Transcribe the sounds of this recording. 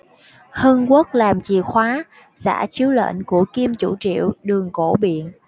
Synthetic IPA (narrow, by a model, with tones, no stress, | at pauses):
hə˧nku˦˥k̚laː˨˩mt͡ɕi˨˩xwaː˨˦ | za̰ː˧˥t͡ɕi˨˦əwlḛː˧˨nku˧˩əki˧mt͡ɕu˧˩t͡ɕḭ˧˨əwɗɨ˨˩əŋko˧˩ɓḭ˧˨ən